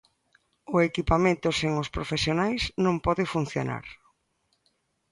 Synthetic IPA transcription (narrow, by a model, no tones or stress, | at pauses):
ʊekipamẽnt̪ʊseŋʊspɾofesjonajznõmpɔðɪfun̟θjo̰na̰ɾ